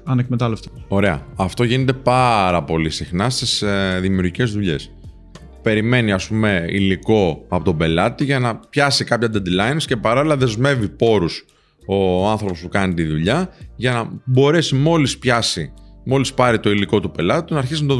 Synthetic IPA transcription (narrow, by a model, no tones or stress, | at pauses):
ɐnek̚met̪ɐleft̪io̞ɾe̞ɐ̰ɐft̪o̞ʝinet̪̬e̞pɐɾɐpo̞lisixnɐst̪isðimiuɾʝice̞zðuʎe̞̰s | pe̞ɾime̞niɐspume̞ḭliko̞ɐpo̞t̪obe̞lɐt̪iʝɐnɐpçɐsikɐpçɐd̪ed̪lɐjnsce̞pɐɾolilɐðe̞zme̞vipo̞ɾus | o̞ɐnθɾopo̞spukɐnit̪iðuʎɐʝɐnɐbo̞ɾe̞simo̞lispçɐsimo̞lispɐɾit̪o̞iliko̞t̪upe̞lɐt̪i̥t̪unɐːɾçisinɐt̪o